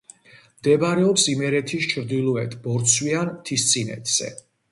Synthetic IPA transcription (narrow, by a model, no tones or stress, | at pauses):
md̪ɛbaɾɛɔpsimɛɾɛt̪ʰist͡ʃʰɾd̪ilˠɔɛt̪ʰbɔɾt̪sʰwiant̪ʰist̪sʼinɛ̰t̪ʰz̥ɛ̰